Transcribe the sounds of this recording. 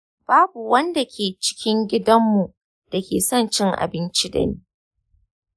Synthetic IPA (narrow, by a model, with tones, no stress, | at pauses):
b̥aː˦bu˨wɐ˦nda˨kʲʰeː˨t͡ʃɪ̥˦kʲɪ˦ŋɡʲɪ˦dɐ˦mːu˨ | d̥a˨kʲḛː˨sɔ˦˨nt͡ʃɪ˦ŋʔa̰˨bɪ˦nt͡ʃi˦dɐ̰˨niː˦